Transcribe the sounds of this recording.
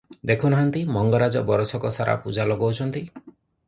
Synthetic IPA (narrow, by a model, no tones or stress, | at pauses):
d̪ekʰunɔɦant̪imɔŋɡɔɾad͡ʒɔbɔɾɔsɔkɔsaɾa̰pud͡ʒalɔɡɔwt͡ʃʰɔnt̪i